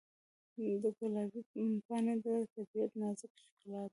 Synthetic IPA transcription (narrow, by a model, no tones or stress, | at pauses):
d̪ət̪alɑwinpɑned̪ət̪abijat̪nɑzɪkʊ̥ʃkɑlɑt̪